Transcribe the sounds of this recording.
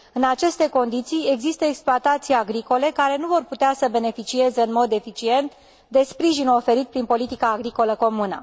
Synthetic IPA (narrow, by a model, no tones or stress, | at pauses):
ɨnat͡ʃe̞st̪e̞ko̞nd̪it̪sije̞ɡzist̪əeksploat̪at̪sijaɡɾiko̞le̞kaɾe̞nuvo̞rput̪easəbe̞ne̞fit͡ʃie̞ze̞ɨnmo̞d̪e̞fit͡ʃie̞nt̪ | d̪e̞spɾiʒinuofe̞ɾit̪̚pɾinpo̞lit̪ikaːɡɾiko̞ləko̞munə̰